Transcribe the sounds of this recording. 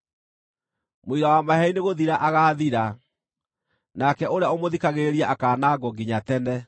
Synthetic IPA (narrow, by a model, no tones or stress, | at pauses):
moiɾawamaɦɛineɣoðiɾaʔaɣaːðiɾa | nakɛʔoɾeaomoðikaɣeɾiaʔakaːnaɡɔɡiɲatɛnɛ